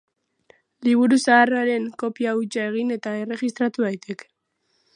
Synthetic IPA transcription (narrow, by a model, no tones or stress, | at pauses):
liβ̞uɾusaːraɾe̞ŋko̞piawt͡ʃae̞ɣ̞ine̞t̪aere̞ɣist̪ɾat̪uβajt̪e̞k